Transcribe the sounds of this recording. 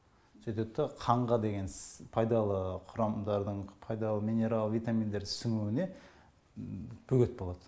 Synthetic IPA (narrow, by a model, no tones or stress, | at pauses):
set̪ep̚t̪ːɪqʰɑɴʁɑd̪e̞ɡʲe̞nspʰɑjd̪ɑlˠəqʰʊɾɑmd̪ɑɾd̪əɴpʰɑjd̪ɑlˠəmʲijne̞ɾalˠəvijt̪amʲind̪eɾd̪ɪsʏŋuwɪne̞ | b̥ɵɡʲe̞t̪̚bo̞lˠɑd̪̥ə